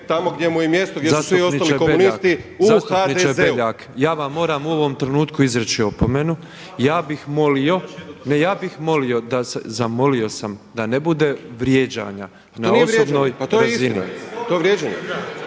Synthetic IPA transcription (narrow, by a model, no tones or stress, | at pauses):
t̪amoɡd̪ʲjemujemjest̪oɡjeasːst̪ʋuiosnionikobenit̪iuzast̪upadnit͡ʃeeʎaːkjaːʋamːo̞ːɾaːmuo̞ʋo̞mt̪ɾe̞nuːt̪kuizɾet͡ʃio̞pomenu | jaːbixmolio̞nejaːbixmo̞lio̞d̪asḛzamo̞lio̞samd̪anebud̪e̞ʋɾje̞ːd͡ʑa̰ːɲa | nanioeɾeobnoːjpat̪ojɾaeizinit̪oeʋɾjed͡ʒaɲḛ